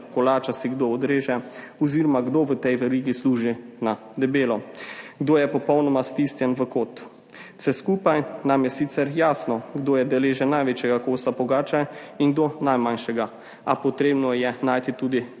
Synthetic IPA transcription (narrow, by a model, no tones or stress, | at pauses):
kɔlaːt͡ʃasiɡd̪oːd̪ɾeːʒɛɔziːɾɔmaɡd̪oːʋət̪ɛjʋɛɾiːɡisluːʒina | d̪ɛbeːlɔɡd̪oːjɛpɔpɔwnɔmast̪ist̪jɛnʋəkoːt̪ | sɛskuːpajnamjɛsit̪sɛɾjaːsnɔɡd̪oːjɛd̪ɛleːʒɛnajʋeːt͡ʃjɛɡakoːsapɔɡaːt͡ʃainɡd̪onajmanʃɛɡa | apɔt̪ɾeːbnɔjɛnaːjt̪it̪uːd̪i